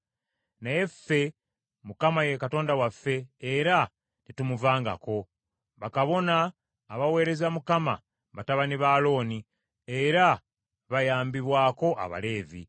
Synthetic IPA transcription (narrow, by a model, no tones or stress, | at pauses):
naje̞fːe̞ | mukamajekato̞ːndawafːe̞ːɾa | titumuvaːŋɡa̰ko̞ | βakaβo̞naː | βawe̞ːɾe̞zamukama̰ | βataβaniβaːlo̞ːni | eɾa | βajaːmbiβwaːko̞ʔa̰βa̰le̞ːvḭ